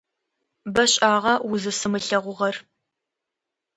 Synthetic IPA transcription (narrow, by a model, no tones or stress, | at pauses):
bɐɕʼaːʁɐwʊzɨsɨmɨɬɐʁʷʊʁɐr